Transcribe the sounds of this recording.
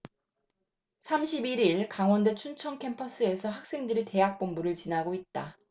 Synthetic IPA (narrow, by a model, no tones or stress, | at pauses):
sʰamɕʰibiɾiɭkaŋwʌnde̞t͡ɕʰunt͡ɕʰʌŋkʰe̞mpʰʌs͈ɯe̞sʰʌɦak̚s͈e̞ŋdɯɾite̞ɦak̚p͈ombuɾɯɭt͡ɕinaɡoit̚t͈a